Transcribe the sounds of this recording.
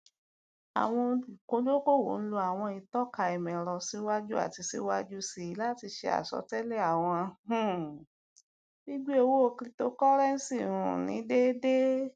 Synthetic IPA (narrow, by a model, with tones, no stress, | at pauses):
a̰˨w̃ɔ̃˧i˨kõ˨˦d͡ʒo˦ko˦˨wo̰˨˦n̩˦lo˧a˨w̃ɔ̃˧i˧tɔ˦ka˧ɛ˨mɛ̃˨ɾɔ˧si˨˦wa˦d͡ʒu˦a̰˦˨ti˧si˧˦wa˦d͡ʒu˦si˧˨i˨˧˦la˦˨ti˧ʃe˧a̰˨sɔ̰˧˦tɛ˦le˦˨a˨w̃ɔ̃˧ũ˨ | bi˦ɡ͡bu˦e˧wo˦o˧kɾi˦to˦kɔ˦ɾɛ˦n̩˦si˦˨ɾṵ̃˨nĩ˨˦de˦de˦